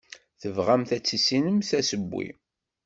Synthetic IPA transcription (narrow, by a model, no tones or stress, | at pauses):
θəvʁæmθæt͡sːisinəmsæsəbːḭ